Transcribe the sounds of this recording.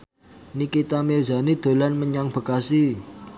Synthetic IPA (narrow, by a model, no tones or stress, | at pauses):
nikit̪amerza̤nid̪̥o̤lanməɲaŋb̥ə̤kasi